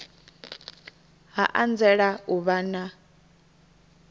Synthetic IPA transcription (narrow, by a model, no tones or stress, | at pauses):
ɦaʔand͡zɛɺauβana